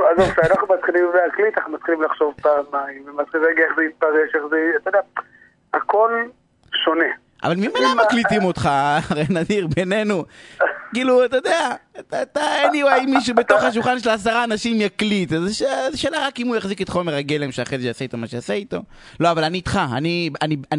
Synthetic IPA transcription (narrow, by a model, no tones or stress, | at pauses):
azovʃeanaχnumat̪χilimveaklit̪anaχnumat̪χilimlaχʃo̞vpamaimvemat̪χilimaɡieχzeit̪̚paʁeʃeχzeat̪ajodea | ako̞l | ʃone̞ | ʔa̰valmimanimlaklitimot̪χaaʁejnad̪iʁbe̞ne̞nukiːluat̪ojod̪eatat̪aniwajimiʃ̬ubet̪o̞χhaʃ̬ulχanʃelasaʁaːnaʃimjaklit̪zeʃezeʃeːlaʁakimujaχziket̪χo̞meʁaɡele̞mʃeaχezeʃeasaitomaʃeasait̪o̞ | lo̞avalaniːt̪χaa̰niania